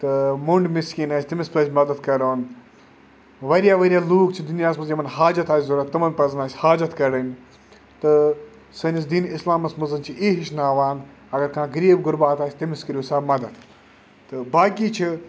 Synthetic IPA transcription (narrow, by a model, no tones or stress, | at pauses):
t̪ɨmuɳɖmiskiːnaːsʰʲt̪imɪspɐd͡ʒʲmɐd̪ɐd̪kɐɾoːn | ʋɐɾijaːʋɐɾʲjaːluːkt͡ʃʰid̪unjaːsmɐzjɐmɐnɦaːd͡ʒɐt̪aːsʰzuɾɐt̪ːɐmɐnpɐznaːsʲhaːd͡ʒɐt̪kɐɾɐnʲ | t̪ɨ | sɐnʲis̬d̪iːnɪslaːmɐsmɐzɐnt͡ʃʰiʔiːɦiʃnaːʋaːn | ɐɡɐɾkãːɡɐɾiːbɡʊɾbaːt̪aːsʰʲt̪imɪskəɾʲjuːsaːmɐd̪ɐt̪ | t̪ɨbaːkiːt͡ʃʰi